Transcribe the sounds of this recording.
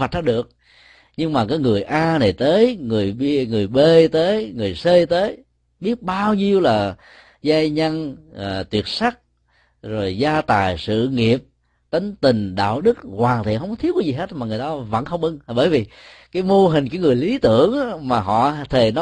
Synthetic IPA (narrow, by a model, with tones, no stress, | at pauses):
a˨˩t̚ɗa˧˥ɗɨ˨˩ək̚ | ɲɨ˧ŋmaː˨˩kaː˨˦jŋɨ˨˩əjʔaː˧na˨˩jt̪əː˨˦jŋɨ˨˩əjɓŋɨ˨˩əjɓe˧t̪əː˨˦jŋɨ˨˩əjsəː˧jt̪əː˨˦j | ɓi˦˥ət̚ɓaː˧wɲi˧əwlaː˨˩ | zaː˧jɲa˧nː˨˩t̪wi˨˩ət̚sa˦˥k̚ | zo˨˩jzaː˧t̪aː˨˩jsɨ̰˧˨ŋi˨˩əp̚ | t̪ə˨˦ŋ̟t̪ï˨˩ŋ̟ɗa̰ː˧˨wɗɨ˦˥k̚hwaː˨˩ŋt̪ʰḭ˨˧˨ɦə˧wŋ͡mkɔ˧˥i˦˥əkːaː˨˧˦zi˨˩ɦe˦˥t̚maː˨˩ŋɨ˨˩əjt̪aː˧və̰˧˥nxə˧wŋ͡mʔɨ˧ŋ˩ɓəː˧˩jvi˨˩kaː˨˦jmo˧ɦï̟˨˩kaː˨˦jŋɨ˨˩əjli˨˦t̪ɨ̰˧˨əŋː˨˦maː˨˩ɦɔ̰˧˨t̪ʰe˨˩nɔ˨˦